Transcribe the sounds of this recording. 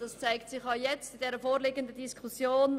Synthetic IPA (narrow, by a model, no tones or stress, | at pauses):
d̥ɑst͡saɪktsɪχjɑjɛt͡stɪd̥ɛːɾəfoːɾleːɡəndədiskʰusjoːn